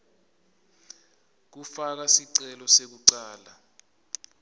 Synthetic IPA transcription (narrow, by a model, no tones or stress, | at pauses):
k̬ufak̬asiǀɛlɔsek̬uǀaːla